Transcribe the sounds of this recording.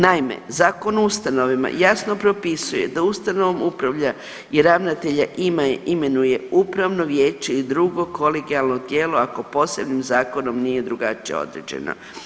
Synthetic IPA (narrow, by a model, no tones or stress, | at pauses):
naimḛzaːko̞nust̪ano̞ʋima̰jasnopɾo̞pisuje̞̰d̪aust̪ano̞ʋomupɾaʋʎa | iɾaʋnat̪e̞ʎaʔimaeʔime̞nuje̞upɾaʋno̞ʋje̞ːt͡ʃeid̪ɾuɡo̞ko̞leɡialˠnod̪je̞ːlo̞ako̞po̞se̞bnimzaːko̞no̞mnije̞d̪ɾuɡat͡ʃijeo̰d̪ɾḛd͡ʑe̞̰no̰